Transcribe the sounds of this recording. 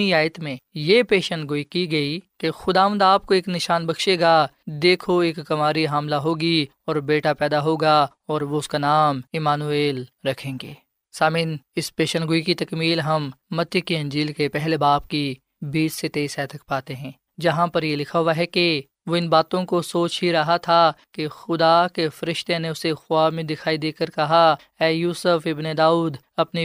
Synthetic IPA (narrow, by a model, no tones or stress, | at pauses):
iaːjt̪mẽjepeːʃənɡʊikiɡɐikexʊd̪aːʋə̃nd̪aːp̚koeːknɪʃaːnbɐkʃeːɡa | d̪eːkʰoeːkːɐmaːɾiɦaːmlaɦoːɡi | ɔːɾbeːʈapɛːd̪aɦoːɡa | ɔːɾʋoʊskanaːmɪmaːnueːlɾɐkʰẽːŋɡḛː | saːmiːnɪspeːʃənɡʊikit̪ɐkmiːlɦɐmːɐt̪jəkiɐ̃nd͡ʒiːlkepɛɦlebaːp̚ki | biːsset̪eːsɛːt̪ʰɐk̚paːt̪eɦɛ̃ː | d͡ʒɐɦãpɐɾjelɪkʰaɦʊaɦɛke | ʋoɪnbaːt̪õkosoːt͡ʃɦiɾɐɦat̪ʰakexʊd̪akefɐɾɪʃt̪eneʊsexʊwaːmẽd̪ɪkʰaːid̪eːkəɾkɐɦa | ɛːjuːsəfɪbned̪aːuːd̪ | ɐpni